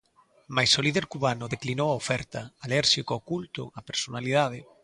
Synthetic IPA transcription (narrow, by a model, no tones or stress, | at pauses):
majsoliðeɾkuβanʊðeklinowaofɛɾt̪aalɛɾʃikookult̪ʊ̰apeɾsonalið̞að̞ɪ